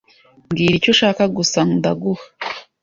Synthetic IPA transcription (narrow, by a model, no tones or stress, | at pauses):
mɡiːɾico̞ʃaːkaɡusandaɡuhḁ